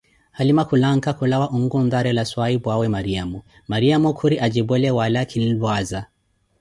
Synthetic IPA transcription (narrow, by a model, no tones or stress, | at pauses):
halimakulaŋkakulawaʔuŋɡund̪aɾɛlaswaibwawɛmaɾiamu | maɾiamukʰuɾiʔad͡ʒibwɛlɛwalakʰinilwaza